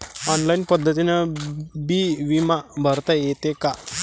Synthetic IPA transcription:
ɔnlajinpəd̪ʱːət̪inəbiʋimabʱəɾt̪ajet̪eka

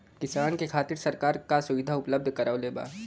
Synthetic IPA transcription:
kɪsaːnkekʰaːt̪ɪɾsɐɾkaːɾkasʊʋɪd̪ʱaʊpləb̚d̪ʱkɐɾaːoleːba̰ː

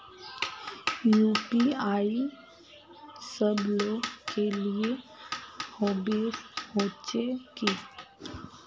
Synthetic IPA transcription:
juːpiaːi | səbloːɡkelie | hoːbihoːt͡ʃeki

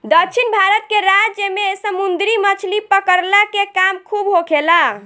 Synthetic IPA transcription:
d̪əkt͡ʃʰinbʱaɾət̪̚keɾad͡ʒd͡ʒemesəmund̪ɾimət͡ʃʰlipəkəɾlakekamkʰubɦokʰela

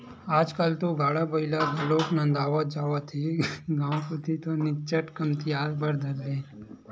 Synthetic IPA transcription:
aːd͡ʒkalt̪oɡʱaːɽabəilaɡʱɐloːknãnd̪aːʋad͡ʒaːʋat̪ʰiɡãːwkot̪ʰit̪onɪt͡ʃəʈkəmt̪ijaːzbəɾd̪ʱəɾəe

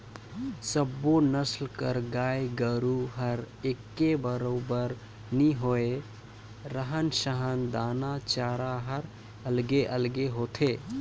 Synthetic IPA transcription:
səbːonəslkəɾɡajɡəɾuɦəɾ | ekːebəɾobəɾ | niɦoe | ɾəɦənsəɦənd̪anat͡ʃaɾaɦəɾ | əlɡeʔəlɡeɦot̪ʰe

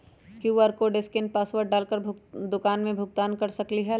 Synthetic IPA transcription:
kjuːaːɾkoɖeskɪnpaːswəɾʈ̚ɖaːlkəɾd̪ʊkaːnmẽbʱʊɡ̚t̪aːnkɐɾsɐkliɦɛ

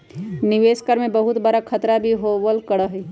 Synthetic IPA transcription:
nɪʋeːskəɾmẽbəɦʊt̪bəɾakʰət̪ɾabʱiɦoəlkəɽaɦi

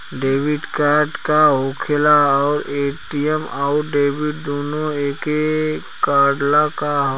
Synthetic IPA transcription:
ɖeːʋɪɖkaːɾɖkaɦokʰelaɔːɾeːʈijɛmɔːɾɖeːbɪɖ̚d̪oːnoeːke | kaːɖlakaɦ

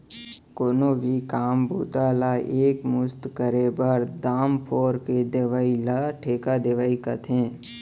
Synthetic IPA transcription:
koːnoʋikaːmbʱuːt̪aːlaeːkmʊst̪kəɾebəɾd̪aːmpʰoːɾked̪eʋaːilaʈʰeːkad̪eʋaːikət̪ʰẽː

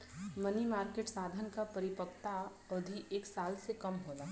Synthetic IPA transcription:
mɐnimaːɾkeːʈsaːd̪ʱənkapɐɾɪpəkt̪a | ɔːd̪ʱiʔeːksaːlsekɐmɦoːlaː

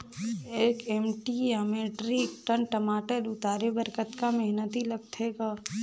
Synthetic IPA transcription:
eːkeːmʈijaːmeːʈɾikʈənʈəmaːʈəɾʊt̪aːɾebəɾkət̪kamɐɦnət̪ilɐɡt̪ʰeːɡaː

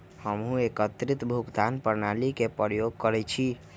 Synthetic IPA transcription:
həmɦũekət̪ɾit̪bʱuɡd̪ʱanpəɾnalikepɾjoɡ̚kəɾɛt͡ʃʰi

